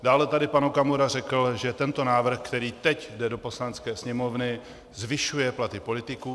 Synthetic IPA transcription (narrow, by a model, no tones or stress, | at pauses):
daːlɛt̪adɪpanukamoɾarɛkl̩ʒɛt̪ɛnt̪o̞naːvr̩xkt̪ɛɾiːt̪ɛcdɛdo̞po̞slanɛt͡skɛːsɲɛmo̞vnɪ | zvɪʃujɛplat̪ɪpo̞lɪt̪ɪkuː